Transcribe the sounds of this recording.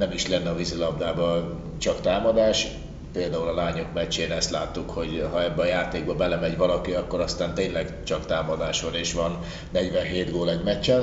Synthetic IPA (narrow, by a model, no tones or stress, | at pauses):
nɛmiʃlɛnːɛɒvizilɒbd̪aːbɒ | t͡ʃɒkt̪aːmɒd̪aːʃ | peːld̪aːulɒlaːɲo̞kmɛt͡ʃːeːnɛst̪laːt̪ːukho̞ɟɦɒɛbːɛɒjaːt̪eːɡ̚bɒbɛlɛmɛɟvɒlɒkiɒkːoɾɒst̪aːnt̪eːnlɛɡt͡ʃɒkt̪aːmɒd̪aːʃʋɒneːʃʋɒnː | ɛɟʋɛnɦeːt̪ɡoːlɛɟmɛt͡ʃːɛn